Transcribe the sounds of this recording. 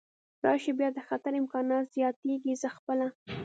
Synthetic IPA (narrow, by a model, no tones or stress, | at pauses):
ɾɑʃebjɑd̪əxat̪aɾɪmkɑnɑt̪z̥jɑt̪eɡizəxpəla